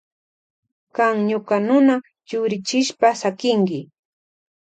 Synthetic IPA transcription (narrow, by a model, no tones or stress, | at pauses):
kaŋɲokanʊna | t͡ʃʊɾɪt͡ʃɪʃpasakɪŋkɪ